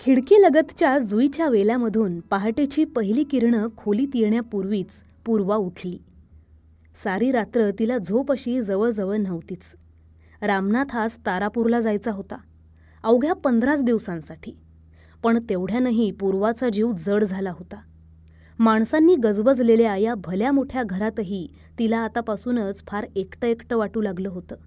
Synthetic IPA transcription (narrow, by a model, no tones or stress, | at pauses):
kʰiɽkeləɡət̪t͡ɕjad͡zujt͡ɕjaʋelaməd̪ʱuːnpaɦaʈet͡ɕiːpəɦiliːkiɾɳəkʰoliːt̪iɾɳjapuɾʋiːt͡s | puɾʋauʈʰliː | saɾiːɾat̪ɾət̪ilad͡zʱopəɕiːd͡zəʋəɭd͡zəʋəɾn̤əʋt̪iːt͡s | ɾamnat̪ʰast̪aɾapuɾlad͡zajt͡saɦot̪a | əʋɡʱjapənd̪ʱɾat͡sd̪iʋsãnsaʈʰiː | pəɳt̪eʋɽ̤janaɦipuɾʋat͡sad͡ʑiʋd͡zəɽd͡zʱalaɦot̪a | maɳ̃sanːiːɡəd͡zbəd͡zleljaajabʱəljamoʈʰjaɡʱəɾat̪ɦiː | t̪ilaːt̪apasuːnət͡sfʰaɾekʈəekʈəʋaʈuːlaɡləːɦot̪əː